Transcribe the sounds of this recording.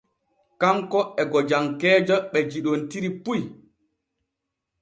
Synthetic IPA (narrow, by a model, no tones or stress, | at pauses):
kaŋkɔɛɡɔd͡ʒaŋkɛːd͡ʒaɓɛd͡ʒiɗontiɾipuj